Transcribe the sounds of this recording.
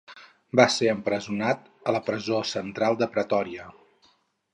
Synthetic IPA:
baseəmpɾəzunat̪ | ələpɾəzosənt̪ɾalˠd̪əpɾət̪ɔɾiə

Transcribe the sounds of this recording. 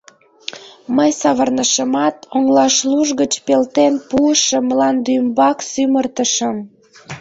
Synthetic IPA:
məjsɑβərnəʃəmɑt̪oŋlɑʃluʒɣət͡ɕpelt̪enpuəʃəməlɑnd̪ymbɑksymərt̪əʃəm

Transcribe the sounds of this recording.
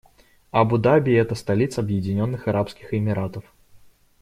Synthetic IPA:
ɐbʊd̪abʲiɛt̪əst̪alʲit̪sɐɐbjɪd͡zʲɪnʲɔnːɨxɐɾʔapskʲɪxɪmʲɪɾat̪əf

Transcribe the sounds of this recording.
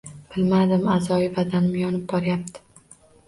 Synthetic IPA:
b̥ɪlmad̪ɪmazɒɪvad̪anmɪjɒnɪp̚bɒɾjap̚t̪ʰɪ̥

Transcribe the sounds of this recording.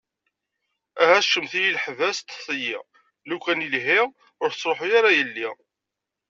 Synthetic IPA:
æhæʃəmθijilħvæst̪θˤəjḭ | lukʷːænilɦi | ʊɾθt͡sːˤɾˤoħujaɾæjəlːi

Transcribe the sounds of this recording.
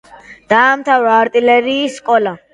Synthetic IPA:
d̪̥aːmt̪ʰavɾaːɾt̪ʼilɛɾiːsːkʼɔla

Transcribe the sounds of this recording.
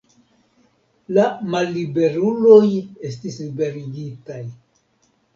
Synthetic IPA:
lamalːibe̞ɾulo̞je̞stislibe̞ɾiɡitaj

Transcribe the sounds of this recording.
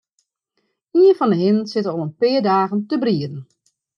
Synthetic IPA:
iənfɔnəɦɪnsɪtəoənpɪədaːɣəntəbriədən̩

